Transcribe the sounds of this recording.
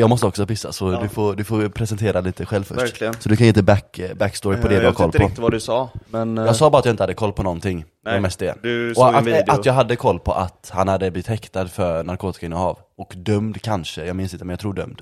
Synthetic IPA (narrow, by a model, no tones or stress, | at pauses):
jɑːɡmɔst̪əɔksɔpɪsːa̰sɔd̪ɵfoːd̪ɵfoːɾpʰɾɛsɛnt̪ʰeːɾaliːt̪əɧɛlvfœ̰ʂɾlɪəsɔd̪ɵkanjɪnt̪əbækbækːst̪ɔːɾɪpʰɔd̪ɛd̪ɪhaɾkʰɔlːʰɔad̪ʉsɑːmɛnjɑːɡsɑːbɑɾat̪jɑaɪnəhad̪ːəkʰɔlːpʰɔnɔnt̪ʰɪŋː | dɛmɛst̪ɛ̰d̪ɔat̪at̪jɑːɡɦad̪ːəkʰɔlːpʰɔ̰ʔat̪hanhad̪ːəblɪvɪt̪hɛkt̪ad̪fœɾnaɾkʰoːt̪ɪ̥kaɪnːənhɑːv | ɔkd̪œmd̪kʰanʂəjɑːɡmɪnsɪnt̪əmɛnjɑt̪ʰɾuːɖœ̰md̪̥